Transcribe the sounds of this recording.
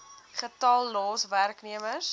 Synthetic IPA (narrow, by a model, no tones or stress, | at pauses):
χətɐlˠːoːsværkniəməs